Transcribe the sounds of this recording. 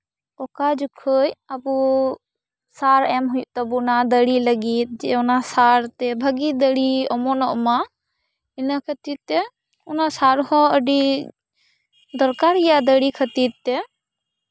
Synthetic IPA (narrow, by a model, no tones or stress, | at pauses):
ɔkad͡ʒukʰəjabu | saɾɛmɦujuʔt̪ɔbunad̪əɽiləɡit̪̚d͡ʒɛɔnasaɾt̪ɛbʱəɡid̪əɽiɔmɔnɔʔma | inakʰət̪id̪̚t̪ɛ | ɔnasaɾhɔ̃əɖi | d̪ɔɾkaɾijad̪əɽikʰət̪iɾ̚t̪ːɛ